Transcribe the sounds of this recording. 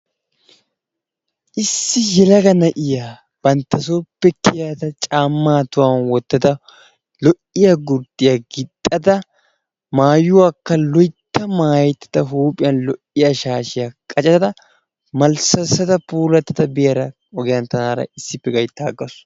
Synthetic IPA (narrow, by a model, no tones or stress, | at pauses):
ʔɪsːɪjɛlɐɡɐnɐʔɪjaː | b̥ɐnt̪ːɐsoːpːɛkːɪjaːt̪ɐt͡ʃʼaːmːaːt̪ʊwanwɔt̪ːɐd̪ɐ | lɔʔɪjaɡʊɾd̪ɪjaɡɪt̪ʼːɐd̪ɐ | maːjʊwaːkːɐlɔjt̪ːɐmaːjt̪ːɐ̥t̪ɐɦuːpʼɪjɐnlɔʔɪjaːʃaːʃɪjakʼɐt͡ʃʼɐt̪ɐd̪ɐ | mɐlsɐsːɐt̪ɐpuːlɐt̪ːɐd̪ɐbɪjɐɾɐ | ɔɡɪjɐnt̪ːɐnaːɾɐ̰ɪsːɪpːɛɡɐjt̪ːaːɡːɐs